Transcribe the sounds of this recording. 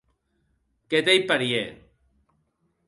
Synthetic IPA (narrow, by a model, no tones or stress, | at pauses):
ket̪ejpaɾije